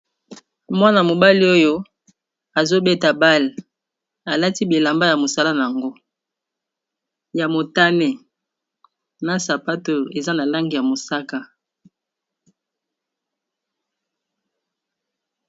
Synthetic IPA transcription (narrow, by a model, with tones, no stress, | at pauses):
mwa˦na˨mo˨ba˦li˦o˦jo˦ | a˨zo˦be˦ta˨ba˦l | a˨la˦ti˦bi˨la˨mba˦ja˨mo˨sa˦la˦na˨a˨ŋɡo˦ | ja˨mo˨ta˦nɛ˦ | na˦sa˨pa˦to˨e˨za˦na˨la˦ŋɡi˨ja˨mo˨sa˦ka˦